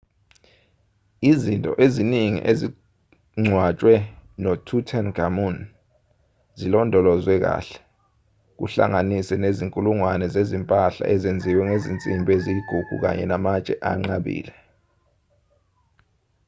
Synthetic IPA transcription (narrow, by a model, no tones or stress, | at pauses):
izintʼɔ̰ʔeziniŋḭʔezi | ŋ͡ǀʱwat͡ʃʼwɛnɔtʰutʰanɡʱamun | zilɔndʱɔlɔzwɛk̬a̰ːɬɛ̥ | k̬ṵɬa̰ŋanisɛneziŋkʼuluŋwanɛzezimpʼaɬa̰ʔɛzend͡zʱiwɛŋezint͡sʼimbʱeziɡ̥ʱuɡ̥ʱṵk̬a̰ɲɛ̰namat͡ʃʼɛʔa̰ŋ͡ǁaɓḭːlɛ